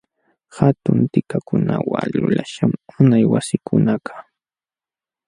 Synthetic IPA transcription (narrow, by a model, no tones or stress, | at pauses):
hat̪ʊnt̪ɪkakʊnawalʊlaʃamʊnajwasɪkʊnakʰḁ